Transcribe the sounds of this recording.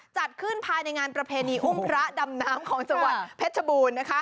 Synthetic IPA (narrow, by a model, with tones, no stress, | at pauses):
t͡ɕa˨˩t̪̚kʰɯ˥˩npʰaː˧jna˧jŋaː˧npɾa˧pʰeː˧niː˧ʔu˥˩mpʰɾa˦˥da˧mnaː˦˥mkʰɔː˩˦ŋsa˧wa˨˩t̪̚pʰe˦˥t̪̚t͡ɕʰa˧buː˧nːa˦˥kʰa˦˥